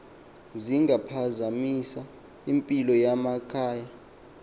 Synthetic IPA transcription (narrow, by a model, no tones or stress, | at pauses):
ziŋɡʱapʰazamisa | impʼilɔjamakʰaːja